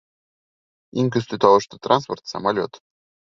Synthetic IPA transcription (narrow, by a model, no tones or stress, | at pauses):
iŋk̬ɵst̪yt̪ɑlˠɤʃt̪ɤ̥t̪rɑnsport̪sɑ̰malʲot̪